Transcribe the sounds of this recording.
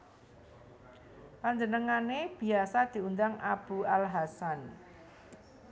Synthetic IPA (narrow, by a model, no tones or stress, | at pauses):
paɲd͡ʒənəŋaneb̥i̤asad̪̥i̤und̪aŋab̥ṳalɦasan